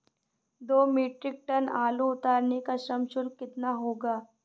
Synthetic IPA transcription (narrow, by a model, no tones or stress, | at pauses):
d̪oːmeːʈɾɪk̚ʈɐnaːluʊt̪aːɾnekaʃɐmʃʊlkɪt̪naɦoːɡaː